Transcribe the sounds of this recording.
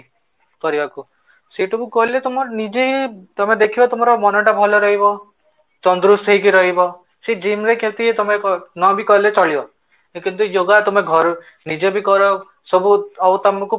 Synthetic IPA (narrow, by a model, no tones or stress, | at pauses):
kɔɾibaku | seʈukukɔɦilet̪ɔmɔɾnid͡ʒet̪ɔmed̪ekʰibɔt̪ɔmɔɾɔmɔnɔʈabʱɔlɔɾɔɦibɔ | t͡ʃɔnd̪ɾust̪ʰɔɦik̬iɾɔɦibɔ | sed͡ʒimɾekẽt̪iet̪ɔmekɔnɔbikɔɦilet͡ʃɔɭibɔ | kint̪ujoɡat̪ɔmeɡʱɔɾu | nid͡ʒebikɔɾɔ | sɔbuawt̪ɔmɔku